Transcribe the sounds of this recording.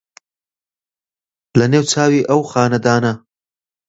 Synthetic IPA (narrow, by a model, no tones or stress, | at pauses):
lanewt͡sɑːwiʔawxɑːnad̪ɑːna